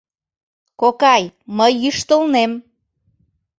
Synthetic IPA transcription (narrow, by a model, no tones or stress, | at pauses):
kokɑjməjːyʃt̪əlnem